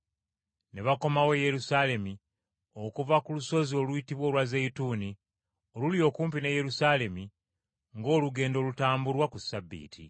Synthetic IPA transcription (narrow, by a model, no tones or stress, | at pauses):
neβako̞mawe̞je̞ɾusale̞mi | okuvakuluso̞zio̞luitiβwo̞ːlwazeituːni | oluljo̞ːkuːmpineje̞ɾusaːle̞mi | ŋɡo̞ːluɡe̞ːndo̞ːlutaːmbuɾwakusabːḭːtʰḭ